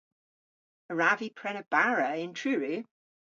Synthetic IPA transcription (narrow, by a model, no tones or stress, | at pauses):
əɹavipʰɹ̥ɛnəb̥aɹəɪ̃ntʰɹ̥ʉːɹi